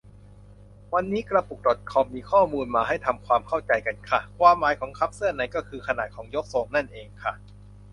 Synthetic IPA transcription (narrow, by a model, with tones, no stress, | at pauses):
wa˧nːiː˦˥kɾa˧pu˨˩k̚dɔ˨˩t̪̚kʰɔ˧mːiː˧kʰɔː˥˩muː˧nmaː˧ɦa˥˩jt̪ʰa˧mkʰwaː˧mkʰa˥˩wt͡ɕa˧jka˧nkʰa˥˩kʰwaː˧mːaː˩˦jkʰɔː˩˦ŋkʰa˦˥p̚sɯ˥˩ɐna˧jkɔː˥˩kʰɯː˧kʰa˧na̰ː˨˩t̪̚kʰɔː˩˦ŋjo˦˥k̚soː˧˩mna˥˩nʔeː˧ŋkʰa˥˩